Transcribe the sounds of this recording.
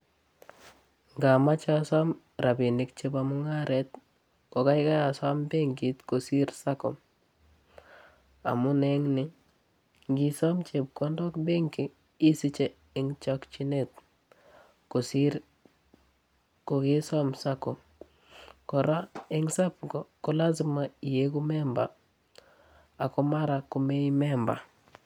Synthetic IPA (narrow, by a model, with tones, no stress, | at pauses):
ŋɡa˨ma˦t͡ʃasa˦m | ɾa˨bi˨nɪ˨kt͡ʃe˦bamu˦ŋa˦ɾet̪ | ko˨ka˦jɪka˦ja˨sa˦mbe˦ŋɡi˨t̪ko˨si˦ɾsa˦kɔ̰˨m | a̰˨mu˦ne˦ŋnɪ˦ | ŋɡisɔ˦mt͡ʃe˨p̚kɔ˦ndɔ˦kbe˦ŋki˨ | i˦si˦t͡ʃe˦ | ɪ˨˦ŋt͡ʃɔ˦kt͡ʃi˦ne˦t̪̚ | ko˨siɾ | ko˨ɡɪ˦sa˦msa˦kɔ˨m | kɔ˨ɾa˦ɪ˦ŋsa˦pɡɔ˨kɔ˦la˦zima˨i˨je˦ku˦mɛ˦mba̰˨ | a˨kɔ˦ma˦ɾa˨ku˨˦me˦i˦mɛ˦mba̰˨